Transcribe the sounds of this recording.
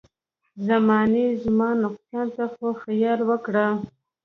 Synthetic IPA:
zamɑnezmɑnʊqsɑnt̪axoxajɑlwəkɽa

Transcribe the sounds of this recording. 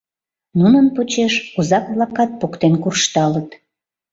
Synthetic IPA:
nunənpot͡ɕeʃuzɑkβlɑkɑt̪̚pokt̪enkurʃt̪ɑlət̪

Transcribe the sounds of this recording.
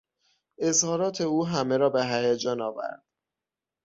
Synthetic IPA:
ʔe̞zhɒːɾɒːt̪ʰe̞uːɦæmeɾɒːbeɦæjæd͡ʒɒːnɒːvæ̰ɾd̪̥

